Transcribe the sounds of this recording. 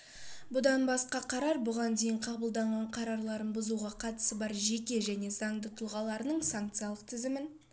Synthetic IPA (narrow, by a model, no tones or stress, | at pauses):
bʊd̪ɑnbɑsqɑqʰɑɾɑɾbʊʁɑnd̪e̞jɪɴqʰɑbəlˠd̪ɑɴʁɑɴqʰɑɾɑɾlˠɑɾənbʊzuʁɑqʰɑt̪ə̥səbɑɾʒe̞kʲe̞ʒæne̞zɑɴd̪ət̪ʰʊlˠʁɑlˠɑɾənəɴsaŋkt̪sɨjɑlˠəq̚t̪ʰɪzɪmɪn